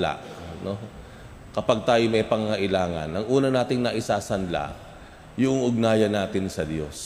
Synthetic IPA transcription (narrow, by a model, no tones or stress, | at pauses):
la̰ʔno̞ | kɐpaɡ̚t̪aːjomɐjpɐŋɐŋɐʔɪlaːŋɐ̰nʔɐŋʔuːnɐnaːt̪ɪŋnɐʔɪsaːsɐnla̰ | jʊʔoŋʔʊɡ̚naːjɐnːaːt̪ɪnsɐd̪jo̞̰s